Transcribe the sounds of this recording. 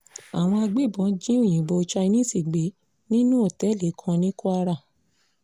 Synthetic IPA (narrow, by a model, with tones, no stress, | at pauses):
a˨w̃ɔ̃˧a˧ɡ͡be˦˨bɔ̃˨˦d͡ʒĩ˦o˦˨j̃ĩ˨bo˧t͡ʃa˧i˧nĩ˦si˦˨ɡ͡be˨˦ | nĩ˦nũ˦o˦˨tɛ˨˦le˨˦kʰã˧nĩ˦ku˦a˧ɾa˦˨